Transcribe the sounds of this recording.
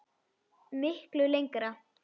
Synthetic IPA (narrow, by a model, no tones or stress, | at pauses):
mɪhklʏlejŋkɾa